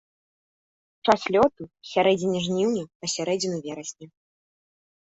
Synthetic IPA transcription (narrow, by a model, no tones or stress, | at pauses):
t͡ʂasʲlʲɔt̪usʲaɾɛd͡zʲinʲɛʐnʲiwnʲɛpɐsʲaɾɛd͡zʲinuvʲɛɾɐsʲnʲi